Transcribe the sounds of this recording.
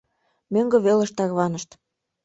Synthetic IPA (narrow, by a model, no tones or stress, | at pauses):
møŋɡɤ̆βelə̆ʃt̪ɑɣβɑnəʃt̪